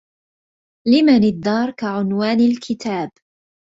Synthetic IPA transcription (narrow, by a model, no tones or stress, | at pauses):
lɪmanɪd̪ːɑːɾˤkaʕʊnwaːnalkʰɪt̪ʰaːb